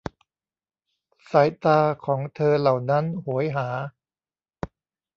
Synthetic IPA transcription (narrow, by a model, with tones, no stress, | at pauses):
saː˩˦jt̪aː˧kʰɔː˩˦ŋt̪ʰɤː˧la˨˩wna˦˥nhu˩˦əjɦaː˩˦